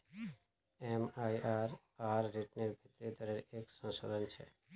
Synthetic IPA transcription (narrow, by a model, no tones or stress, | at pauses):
emajaɾ | aɾːiʈneɾbʱit̪ːɾid̪ɔɾeɾekʃɔŋʃod̪ont͡ɕʰḛ